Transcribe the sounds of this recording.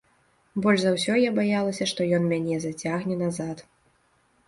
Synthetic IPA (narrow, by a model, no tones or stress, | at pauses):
bɔlʲʐzawsʲɔjabajalˠɐsʲɐʂt̪ɔjɔnmʲanʲɛzat͡sʲaɣnʲɛnazat̪